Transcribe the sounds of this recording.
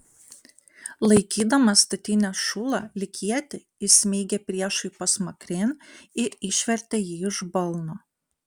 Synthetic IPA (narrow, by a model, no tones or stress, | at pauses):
lˠɐɪkʲiːd̪ɐmɐst̪ɐt̪ʲɪnʲɛʃʊlˠɑlʲɪkʲiɛt̪ʲɪ | ɪsʲmʲeːɡʲepʲɾʲiɛʃɐɪpɐsmɐkɾʲeːnɪɾɪʃʲʋʲɛɾʲt̪ʲejiːɪʒbɐlˠno